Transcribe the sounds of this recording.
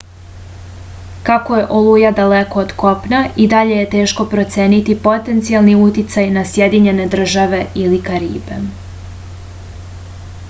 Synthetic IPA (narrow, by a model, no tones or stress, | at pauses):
kakoje̞ʔo̞lujad̪aleko̞ːd̪ko̞pnaid̪aʎe̞je̞t̪e̞ːʃko̞pɾo̞t̪se̞ːnit̪ipo̞t̪e̞nt̪sialˠniut̪it̪sajnasje̞d̪iɲe̞ne̞d̪r̩ʒaʋe̞ilikaɾḭːbe̞̰